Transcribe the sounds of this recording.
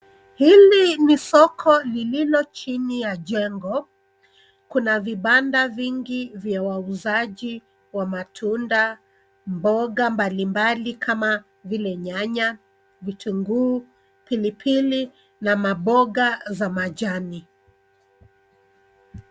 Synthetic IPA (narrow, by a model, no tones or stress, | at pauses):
hilinisɔkʰɔlililɔt͡ʃinijaʄɛŋɡɔ | kunaviɓandaviŋɡivjawauzaʄi | wamatʰunda | mbɔɡambalimbalikʰama | vilɛɲaɲa | vitʰuŋɡuː | pilipʰili | namaɓɔɡazamaʄani